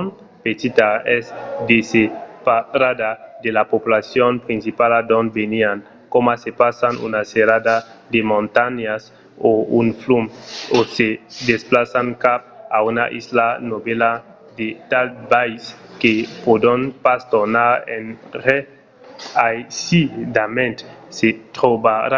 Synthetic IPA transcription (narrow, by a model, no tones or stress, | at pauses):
n | pet̪it̪aesd̪esepaɾad̪ad̪elapopulasjonpɾĩnsipalad̪õnbenian | komasepasanṵnaseɾad̪a | d̪emõnt̪aɲas | ounflumosed̪esplasaŋkap̚auna̰ʔislanobela | d̪et̪albajskepod̪onpast̪onaɾḛnɾe | ajsid̪amẽnt̪set̪ɾobaɾa